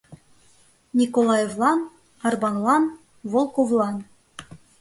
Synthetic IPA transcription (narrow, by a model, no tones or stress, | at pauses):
nʲikolˠɑjevlˠɑn | ɑrbɑnlˠɑn | volˠkovlˠɑn